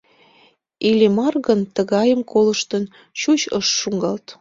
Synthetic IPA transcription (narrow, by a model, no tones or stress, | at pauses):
ilʲemɑrɣənt̪əɣɑjəmkoləʃt̪ən | t͡ɕut͡ɕəʃːuŋɡɑlt̪